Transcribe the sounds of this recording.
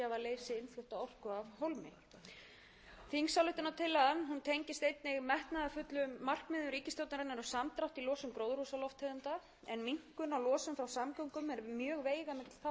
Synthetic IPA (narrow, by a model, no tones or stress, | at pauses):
avaleːjsɪɪnflʏht̪aɔr̥kʏavɦowlmɪ̰ | θiŋksawlʏht̪ɪnat̪ʰɪlːaamɦunt̪ʰejɲcɪ̥st̪ejt̪nɪɣmɛht̪naðafʏt̪lʏmːar̥kmɪðʏɾiːcɪst̪owt̪naɾɛnːaɾʏsamt̪ɾawht̪ilɔːsʏmkɾowðɾhusalɔft̪ʰɛðant̪a | ɛnmiŋ̥kʏnawlɔːsʏmfɾawsamkɔwŋkʏmɛɾmjœːɣveːjɣamɪt̪l̥θa